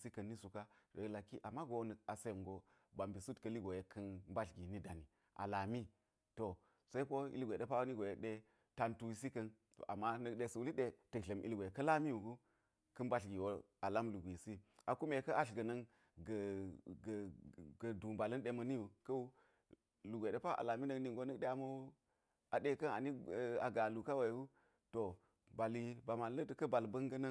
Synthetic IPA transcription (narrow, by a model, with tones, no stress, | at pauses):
si˦kɐ˨nːi˦su˨ka˦˨e˨la˨ki˦ʔa˨mːa˦ɡo˦nɐ˨a˨se˦˨ŋɡo˦ | ba˨mbi˨su˦tkɐ˨li˦ɡo˨je˨kʰɐ˦nmba˦ɬɡi˨ni˦da˨ni˨ | ʔa̰˨la˨mi˦ | to˨ | sɐ˦i˦ko˦ḭ˦lɡʷe˨ɗe˦pa˦wni˦ɡo˨je˨ɗe˦ | ta˨ntu˦˨s̬i˦kɐ˦n | to̰˨ʔa˨mːa˦nə˦ɗe˦sɐ˨wu˦li˦ɗe˦tə˨ɬɐ˨mʔi˦lɡo˨e˨kɐ˦la˦mi˦ju˨ɡu˦ | kɐ˦nba˦ɬɡi˨wo˦ | a˨la˦mlu˨ɡʷi˨si˦a˨ku˦me˨kɐ˦ʔa˦ɬɡɐ˨nɐ˦ŋ | ɡə˨ɡɡə˨du˨mba˨lɐ˦nɗe˨mɐ˨ni˦ju˨kɐ˦u˦ | lu˨ɡʷe˨ɗe˦pa˦ʔa̰˨la˨mi˦nə˦ŋni˨ŋɡo˦nə˦kɗe˦a˨mo˦ | a˨ɗe˦kɐ˦na˨ni˦˨a˨ɡa˨lu˨ka˦we˨wu˦ | to˨ | ba˨li˦ba˨ma˨nlə˦tə˨kɐ˦ba˨lbɐ˦ŋɡɐ˦nə˦